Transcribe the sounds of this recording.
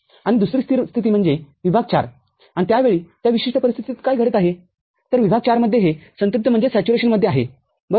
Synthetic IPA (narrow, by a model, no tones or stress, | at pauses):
aɽ̃id̪usɾiːst̪ʰiɾst̪ʰit̪iːm̤əɳd͡zeʋibʱaɡ̚t͡ɕa̰ɾ | anit̪jaʋeɭiːt̪jaʋiɕiʂʈəpəɾist̪ʰi̥t̪it̪kajɡʱəɽet̪aɦe | t̪əɾʋibʱaɡ̚t͡ɕaɾməd̪ʱːjeɦesənt̪up̚t̪ʰːəm̤əɳd͡zesæt͡ɕuɾeɕənməd̪ʱːjeaɦḛ | bə